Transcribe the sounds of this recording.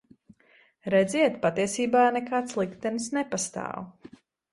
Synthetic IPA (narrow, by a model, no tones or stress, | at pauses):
ɾɛd̪zʲiɛt̪pat̪iɛsiːbaːnɛkaːt̪slˠikt̪ɛnsnɛpast̪a̰ːw